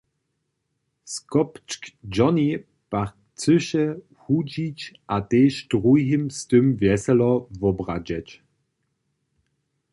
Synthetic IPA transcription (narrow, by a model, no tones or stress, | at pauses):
skɔpt͡ʃkd͡ʒɔni | paʁ | t͡sʏʃə | hud͡ʑit͡ɕʔateːʃdʁujɦimstʏmvjɛsɛlɔvɔbʁad͡ʑɛt͡ɕ